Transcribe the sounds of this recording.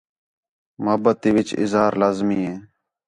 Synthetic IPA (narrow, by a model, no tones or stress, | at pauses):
məɦəbət̪iːʋɪt͡ʃɪ̰zɦaːɾlaːzmiːɦeː